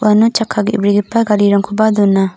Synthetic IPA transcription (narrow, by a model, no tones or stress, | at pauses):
anut͡ʃakʰaɡiibɾiɡipaɡaɾiɾaŋkʰubad̪unːa